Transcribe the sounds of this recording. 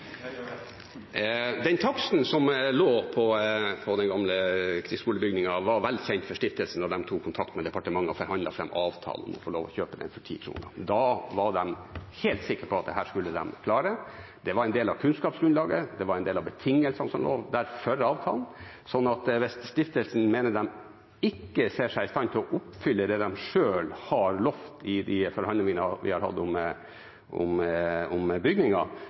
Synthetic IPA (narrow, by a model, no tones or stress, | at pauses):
d̪ɛnt̪ʰɑksn̩sɔmloːpʰɔpʰɔd̪ɛnɡɑmləkʰɾɪskuːləbʏɡnɪŋɑʋɑɾʋɛld̪sɛɪnt̪fɔʂʈɪft̪əlsən̩d̪ɑd̪ɛmt̪ʰuːkʰːʊnt̪ʰɑk̚t̪mɛd̪ɛpɑʈəmɑŋːəɔfɔɾhɑnd̪ɑ̰fɾɛ̰mːɑːʋt̪ʰɑ̰ːln̩ɔ̰nmɔ̰foːloːʋɔ̰çøːpəd̪ɛ̰nfœʈʰḭːkʰɾṵːnə̰d̪ɑʋɑɖɛmheːlt̪sɪkːəɾpʰɔɑt̪̚d̪ɛɦæːʂkʉlːəd̪ɛ̰mkʰlɑːɾə | d̪̥ɛʋɑɾɛɪnd̪eːlɑʋkʰʉnskɑːpsɡɾʉnɑːɡəd̪ɛʋɑɾæɪnd̪eːlɑʋbət̪ʰɪŋːəlsɑnsɔmlo̰ːʋd̪æɾfœɾɑːʋt̪ʰɑ̰ːln | sɔnːɑt̪ʋɛsst̪ɪft̪əlsn̩meːnəd̪ɛm | ɪkːəseːʂæɪɪst̪ɑnt̪ʰɪlɔʔʊpfʏlːəd̪ɛd̪ɛmʂøːlhɑɾlɔft̪ɪd̪ɪfɔɾhɑnɪŋənəʋɪ̰hɑɾhɑ̰d̪ːəʊm | ʔʊ̰mʊmbʏɡnɪŋɑ